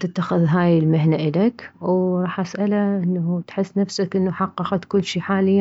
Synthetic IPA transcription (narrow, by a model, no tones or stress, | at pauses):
t̪ɪt̪ːaxɪðɦaːjɪlmɪɦnaʔɪlakwɾˤɑːħʔasʔalaʔɪnːat̪ħɪsːnafsakʔɪnːaħɑqːɑqɑt̪kʊlːʃiːħaːlɪjːa